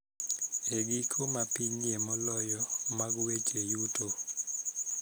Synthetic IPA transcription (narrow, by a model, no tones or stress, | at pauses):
eɡikʰomapiɲiemɔlɔjɔmaɡwet͡ʃejuto